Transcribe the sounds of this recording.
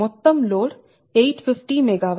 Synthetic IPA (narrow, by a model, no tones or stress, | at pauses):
ʊt̪ːəmloːɽ | eːʈfɪfʈiːmeɡaːʋ